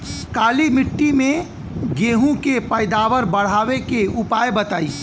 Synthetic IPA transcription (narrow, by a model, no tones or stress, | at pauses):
kaːlimɪʈːimẽ | ɡeːɦũkepəɪd̪aːʋəɾbəɽ̤aːʋekeʊpaːjbət̪aːiː